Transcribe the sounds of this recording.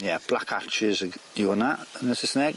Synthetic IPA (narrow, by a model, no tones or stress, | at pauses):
jɛb̥lakʰat͡ʃɪzəɡiənaənəsɪsnɛɡ̥